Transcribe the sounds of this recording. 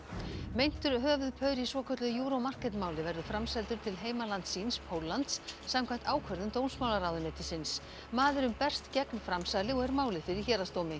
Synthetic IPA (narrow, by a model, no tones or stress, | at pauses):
mejn̥t̪ʏɾ̥ɦœːvʏðpʰœɥɾisvɔːkʰœt̪lʏjuːɾowmar̥kɛt̪maːwlɪvɛɾðʏfɾamsɛlt̪ʏɾ̥t̪ʰɪlɦeːjmalant̪sinspʰowlːant̪sːamkʰvam̥t̪aːwkʰvœɾðʏmt̪ownsmaːwlaɾaːwðʏnɛt̪ɪsɪns | maːðʏɾʏmpɛr̥t̪cɛknfɾamsaːjlɪɔɣɛɾmaːwlɪfɪɾiçɛːɾast̪owmɪ